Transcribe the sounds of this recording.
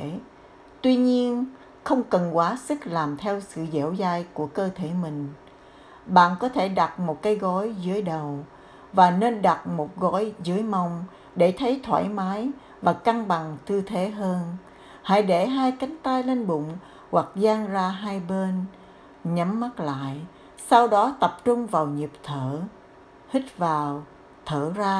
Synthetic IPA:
t̪wi˧ɲi˧ən | xə˧wŋ͡mkə˨˩nkwaː˨˦sɨ˦˥k̚laː˨˩mt̪ʰɛ˧wsɨ̰˧˨zḛ˧˥wzaː˧jku˧˩əkəː˧t̪ʰe˧˩mï˨˩ŋ̟ | ɓa̰ː˧˨nkɔ˨˦t̪ʰe˧˩ɗa˨˩t̚mo˨˩t̚kaː˨˦jɣɔ˨˦jzɨ˨˦əjɗə˨˩w | vaː˨˩ne˧nɗa˨˩t̚mo˨˩t̚ɣɔ˨˦jzɨ˨˦əjma˧˩wŋ͡m | ɗe˧˩t̪ʰə˨˦jt̪ʰwa̰ː˧˩jmaː˨˦j | vaː˨˩ka˧ŋɓa˨˩ŋt̪ʰɨ˧t̪ʰe˨˦ɦəː˧n | ha̰ː˧˥˦jɗe˧˩ɦaː˧jka˨˦jŋ̟t̪aː˧jle˧nɓʊ̰˧˨ŋ͡m | ɣwa˨˩k̚zaː˧ŋzaː˧ɦaː˧jɓe˧n | ɲə˨˦mːa˦˥t̚la̰ː˧˨j | sa˧wɗɔ˨˦t̪ə˨˩p̚t͡ɕʊ˧ŋ͡mvaː˨˩wɲi˨˩p̚t̪ʰəː˧˩ | hï˦˥k̟̚vaː˨˩w | t̪ʰəː˧˩zaː˧

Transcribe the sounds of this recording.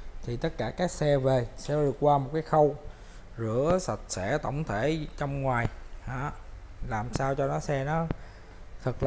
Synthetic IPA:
t̪ʰi˨˩t̪ə˦˥t̚kaː˧˩kaː˦˥k̚sɛ˧ve˨˩sɛ̰˧˥ɗɨ˨˩ək̚kwaː˧mo˨˩t̚kaː˨˦jxə˧w | zɨ̰˧˥əsa˨˩t̚sɛ̰˧˥t̪ə̰˧˩wŋ͡mt̪ʰe˧˩t͡ɕɔ˧wŋ͡mŋwaː˨˩jhaː˧˦˥ | laː˨˩msaː˧wt͡ɕɔ˧nɔ˨˦sɛ˧nɔ˨˦ | t̪ʰə˨˩k̚l

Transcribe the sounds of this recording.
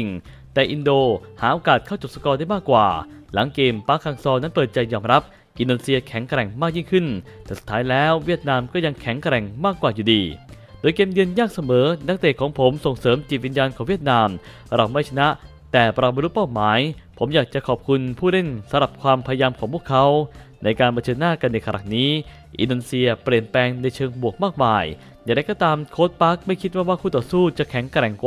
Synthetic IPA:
i˨˩ŋ | t̪ɛː˨˩ʔi˧ndoː˧haː˩˦ʔoː˧kaː˨˩t̪̚kʰa˥˩wt͡ɕo˨˩p̚sa˧˩kɔː˧daː˥˩jmaː˥˩kːwa̰ː˨˩la˩˦ŋkeː˧mpaː˦˥kʰaː˧ŋsɔː˧na˦˥npɤː˨˩t̪̚t͡ɕa˧jːɔː˧mɾa˦˥p̚ | ʔi˧doː˧ne˧si˧ɐkʰɛ˩˦ŋkɾɛ˨˩ŋmaː˥˩k̚ji˥˩ŋkʰɯ˥˩nt̪ʰɛː˨˩su̥˨˩t̪ʰːaː˦˥jlɛː˦˥wwi˥˩ət̪̚naː˧mkɔː˥˩ja˧ŋkʰɛ˨˩˦ŋkɾɛ˨˩ŋmaː˥˩kːwaː˨˩juː˨˩diː˧ | doː˧jkeː˧mjɯ˧ənjaː˥˩k̚sa˧mɤː˩˦na˦˥k̚t̪eː˨˩kʰːɔː˩˦ŋpʰo˩˦mso˨˩ŋsɤː˩˦mt͡ɕi˨˩wi˧njaː˧nkʰɔː˨˩˦wi˥˩ət̪̚naː˧m | ɾa˧˩wma˥˩jt͡ɕʰa˧na˦˥ʔ | t̪ɛː˨˩pɾa˧˩ba˧ɾu˦˥paː˥˩wmaː˩˦jpʰo˩˦mjaː˨˩k̚t͡ɕa˨˩kʰɔː˨˩p̚kʰu˧npʰuː˥˩ɾe˥˩nsa˧˦mɾa˨˩p̚kʰwaː˧mpʰa˧ja˧jaː˧mkʰɔː˩˦pʰu˥˩əkʰːa˦˥w | nʔa˧jkaː˧npʰa˧t͡ɕʰɤː˧nːaː˥˩ka˧nːa˧jka˧ɾʔa̰˨˩k̚niː˦˥ | ʔḭ˧ndoː˧ne˧si˧ɐpɾi˨˩ənpɛː˧ŋna˧jt͡ɕʰɤː˧ŋbu˨˩ək̚maː˥˩k̚maː˨˩j | jaː˨˩ŋda˧jkɔː˥˩t̪aː˧mkʰoː˦˥t̪̚pa˦˥k̚ma˥˩jkʰi˦˥waː˥˩waː˥˩kʰuː˧˥˩t̪ɔː˨˩suː˥˩t͡ɕa˨˩ʔkʰɛ˨˩˦ŋkɾɛ˨˩ŋkw

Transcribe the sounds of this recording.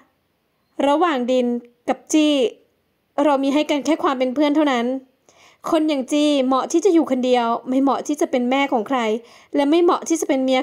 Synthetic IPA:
ɾa˧waː˨˩ŋdi˧nka˨˩p̚t͡ɕiː˥˩ | ɾa˧wmiː˧ɦa˥˩jka˧nkʰɛː˥˩kʰwaː˧mpe˧npʰɯ˥˩ənt̪ʰa˥˩wna˦˥n | kʰo˧njaː˨˩ŋt͡ɕiː˥˩mɔ˧˩t̪ʰiː˥˩t͡ɕa˨˩ʔjuː˨˩kʰa˧ndi˧əwma˥˩jmɔ˨˩ʔt̪ʰiː˥˩t͡ɕa˨˩pe˧nmɛː˥˩kʰɔː˩˦ŋkʰɾa˧j | lɛː˦˥ma˥˩jmɔ˨˩˦ʔt̪ʰiː˥˩t͡ɕa˨˩pe˧nmi˧˥a˧

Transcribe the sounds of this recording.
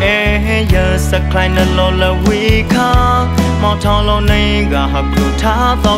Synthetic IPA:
ʔe˨ | ɦe˦jə̃˨sə˧˨kʰlã˨ɪ̃nə˨lɔ˨lə˨wi˨kʰã˦ | mã˨tʰã˧lo˦nẽ˦˨ | ɡa˨ɦə˨pju˨tʰa˦d̪ɔ˦

